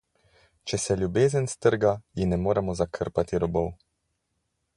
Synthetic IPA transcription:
t͡ʃɛsɛlʲjubeːzənst̪əɾɡajinɛmoːɾɛmɔzakʰə̰ɾpat̪iɾɔbɔw

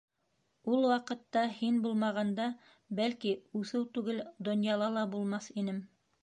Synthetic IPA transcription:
ulˠwɑqɤ̆t̪ːɑhinbulˠmɑʁɑnd̪ɑ | bælkiʉθɘwt̪ʉɡɘld̪ŏnjɑlˠɑlˠɑbulˠmɑθinɘm

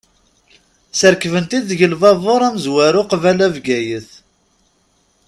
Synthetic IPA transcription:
səɾkvənt̪iðʝəlvɑðˤoɾˤæmzwæɾʊqvælævɡæjəθ

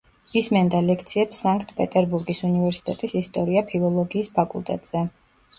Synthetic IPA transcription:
ismɛnd̪alɛk̚ʰt̪sʰiɛpsːaŋkʰʼt̪ʰpʼɛt̪ʼɛɾbuɾɡisunivɛɾsi̥t̪ʼɛt̪ʼisist̪ʼɔɾiapʰilˠɔlˠɔɡiːspʰakʼṵlˠt̪ʼɛ̰t̪ʼz̥ɛ

